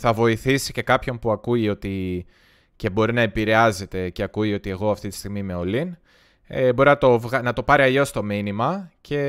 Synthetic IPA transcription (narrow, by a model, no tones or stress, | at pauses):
θɐvo̞iθisi̥ce̞kɐpço̞npuɐkuio̞t̪i | ce̞bo̞ɾinɐe̞piɾe̞ɐze̞t̪e̞ceɐkuio̞t̪ie̞ɣo̞ɐft̪it̪i̥st̪iɣmime̞o̞lin | ebo̞ɾinɐt̪o̞vɣɐnɐt̪o̞pɐɾiɐʎo̞st̪o̞minimɐce̞